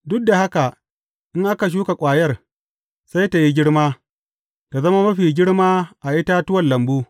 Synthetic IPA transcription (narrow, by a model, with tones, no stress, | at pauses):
dʊ˦k̚da˨ha˦ka˨ | ʔɪ˦ŋʔa˦ka˨ʃ̬uː˦ka˨kʷʼaː˨jɐ˦r | sa˦jta˨ji˦ɡʲɪ˦ɽmaː˦ | ta˨zɐ˦ma˦mɐ˦ɸiː˨ɡʲɪ˦ɽmaː˦ʔa˨ʔɪ˦ta˦tʊ˦wɐ˨nlɐ˨mbuː˦